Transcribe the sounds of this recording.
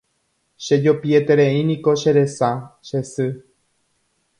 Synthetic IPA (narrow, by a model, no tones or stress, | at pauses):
ʃe̞d͡ʒopiet̪eɾẽĩnĩko̞ʃeɾe̞saʃe̞sɨ